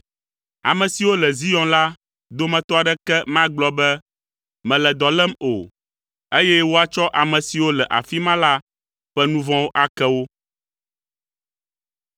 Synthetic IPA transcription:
a̰˨mɛ̃˨si˨wo˦lɛ˨zi˦jɔ̃˦la˦ | d̪o˦mɛ̃˨t̪ɔ˦a˨ɖɛ˦kɛ˦mã˦ɡ͡blɔ˦bɛ˦ | mɛ̃˨lɛ˨d̪ɔ˨lɛ˦mo̰˨ | e˦jɛ˦wo˦a˨t͡ʃɔ˦ʔa˨mɛ̃˨si˨wo˦lɛ˨ʔa̰˨fi˦mã˦la˦ | ɸɛ˦nũ˦vɔ̃˦wo˦ʔa˨kɛ˦wo˦

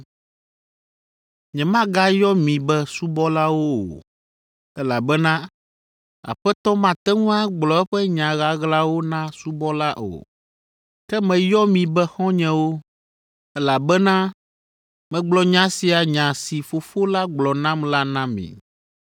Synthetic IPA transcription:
ɲɛ̃˨mã˦ɡa˦jɔ˦mĩ˨bɛ˦su˦bɔ˦la˦wo˦o̰˨ | ɛ˦la˨bɛ˦nã˦ | a̰˨ɸɛ˦t̪ɔ˦mã˦t̪ɛ˦ŋũ˦a˦ɡ͡blɔ˨ɛ˦ɸɛ˦ɲã˨ɣa˦ɣla˦wo˦nã˦su˦bɔ˦la˦ʔo̰˨ | kɛ˦mɛ̃˨jɔ˦mĩ˨bɛ˦xɔ̃˦ɲɛ̃˨wo˦ | ɛ˦la˨bɛ˦nã˦ | mɛ̃˨ɡ͡blɔ˨ɲã˦si˨a˨ɲã˨si˨fo˨fo˦la˦ɡ͡blɔ˨nã˦mla˦nã˦mḭ̃˨

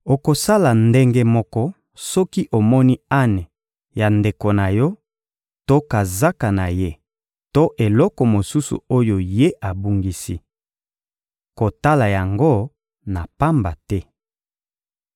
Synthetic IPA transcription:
o˨ko˨sa˦la˨nde˦ŋɡe˦mɔ˦kɔ˦ | sɔ˦ki˦ʔo˨mɔ˦ni˦a˦ne˨ | ja˨nde˨ko˨na˨jɔ˦ | to˦ka˨za˦ka˨na˨je˦ | to˦ʔe˨lɔ˦kɔ˨mo˨su˦sṵ˨o˦jo˨je˦ʔa˨bu˦ŋɡi˦si˦ | ko˨ta˦la˨ja˨ŋɡo˦ | na˨pa˦mba˨tɛ˦

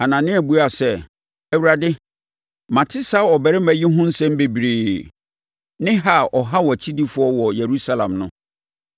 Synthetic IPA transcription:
a˨nã˨nɪ̃˦æ˨bu˦a˨sɛ˦˨ | æ˦wu˦ɾa˨dɪ˦ | mã˨tʰɪ˦sa˦ɔ˨bɛ˨ɾɪ˦mæ˦ji˦ɦʊ̃˦n̩˦sɛ̃˦m˦be˨bɾeː˨ | nɪ̃˦ɦa˦ʔɔ˨ɦa˦wɔ˨æ˨t͡ɕʰi˦di˦fʊ˨˦ɔ˦wɔ˨je˨ɾu˦sa˦lã̰˨mnʊ̃˦

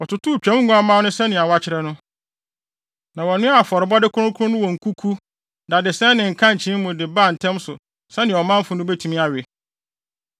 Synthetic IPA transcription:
ɔ˨tʰʊ˨tu˦˨t͡ɕᶣɛ̃˨˦m˦ɡũ˦a˦mã˦nʊ̃˦sɛ˦nɪ̃˨a˨wa˦t͡ɕʰɪ˨ɾɛ˦nʊ̃˦ | nã˨wɔ˨nʊ̃˦a˦˨fɔ˨ɾɪ˨bɔ˦dɪ˦kʰʊ˦ʊ̃˦kʰʊ˦ʊ̃˦nʊ̃˦wɔ˨ŋ̩˨kʰu˦kʰu˦ | da˨dɪ˨sɛ̃˦nɪ̃˨ŋ̩˨kʰã˦ɲ̩˨t͡ɕʰĩ˦m˦mʊ̃˨dɪ˨ba˦˨n̩˨tʰɛ̃˦msʊ˨ | sɛ̃˦nɪ̃˨ɔ˨mã˦m̩˦fʊ̃˨nʊ̃˦bɛ˦tʰu˨mĩ˦a˨ɥɪ˨

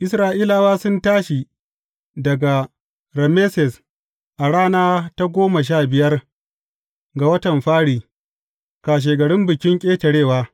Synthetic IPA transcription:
ʔɪ˨sɾaː˨ʔiː˦la˨waː˦sʊ˦ntaː˦ʃi˨ | dɐ˨ɡa˨ | ɾɛ˨me˦sɛ˨s | ʔa˨ɽaː˦naː˦ta˦ɡʷoː˦ma˨ʃ̬aː˦˨bɪ˨jɐ˦r | ɡa˨wɐ˦tɐ˨mɸaː˦ɽiː˨ | kaː˨ʃ̬eː˨ɡɐ˨ɽɪ˦mbɪ˨kʲɪ˦ŋkʲʼeː˦tɐ˨ɽeː˦˨waː˦

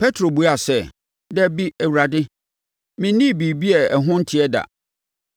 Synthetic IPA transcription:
pʰɛ˦tʰɾo˨bu˨˦a˨sɛ˦˨ | dɛ˦bi˦ɛ˨wu˨ɾa˨dɪ˦ | mɪ̃˨˦nĩ˦˨bi˨bi˦ɛ˨ɛ˨ɦʊ̃˦n̩˦tʰɪ˨ɛ˦da̰˨

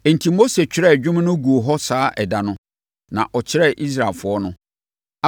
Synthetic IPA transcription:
e˨n̩˨tʰi˨mo˦se˨t͡ɕᶣɪ˨ɾɛ˦˨d͡ʑᶣʊ˦m̃˦nʊ̃˦ɡu˨o˨ɦɔ˦saː˨˦ʔɛ˨da˨nʊ̃˦ | nã̰˨ʔɔ˨t͡ɕʰɪ˦ɾɛ˦˨ʔi˦s̬ɾa˨lfʊ˨ɔ˦nʊ̃˦

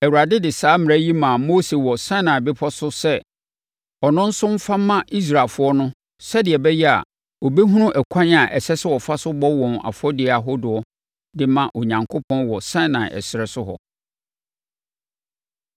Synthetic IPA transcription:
ɛ˨wu˨ɾa˨dɪ˦dɪ˨saː˨˦mɪ̃˨æ˦ji˦mã˨mo˦se˨wɔ˨sã˦nã˨bɪ˦pʰɔ˦sʊ˦sɛ˦ | ɔ˨nʊ̃˦n̩˦sʊ̃˦m̩˦fa˦mːã˦ʔi˦s̬ɾa˨fʊ˦ɔ˦nʊ̃˦ | sɛ˦dɪ˨ɛ˨bɛ˦jɛ˦a̰˨ | wɔ˨be˦ɦũ˦nʊ̃˦ʔɛ˨kʷʰã˦n˦a˨ʔɛ˨sɛ˦sɛ˦wɔ˨fa˦sʊ˦bɔ˦wɔ̃˨na̰˨fʊ˦ɔ˦dɪ˨a˨ɦɔ˦dʊ˨ɔ˦ | dɪ˦mã˨ʔɔ˨ɲã˨ŋkʰo˦pʰɔ̃˦nwɔ˨sã˦nã̰˨nʔɛ̰˨sɪ˨ɾɛ˨sʊ˦ɦɔ̰˨

